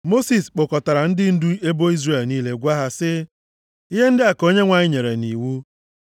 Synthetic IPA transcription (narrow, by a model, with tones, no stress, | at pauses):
mo˦si˨sk͡po˨kɔ˨ta˨ɾa˨n̩˦dɪ˦n̩˦du˦e˦bo˦i˦zre˦˨lniː˦le˦ɡʷa˦ɦa˦sɪ˦ | i˦ɦe˦n̩˦dɪ˦a˨ko˦ɲe˦ŋʷa˨ɲɪ˦ɲe˨ɾḛ˨ni˨wu˦